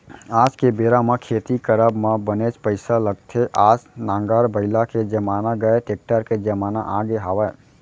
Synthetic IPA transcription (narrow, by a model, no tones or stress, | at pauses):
aːd͡ʒkebeːɾamẽkʰeːt̪ikəɾəbmãbənet͡ʃpəɪsaləɡ̚t̪ʰeʔaːsnãːŋɡaɾbəɪlaked͡ʒəmaːnaɡəeʈeːk̚ʈəɾked͡ʒəmaːna̰ʔaɡeɦaːʋə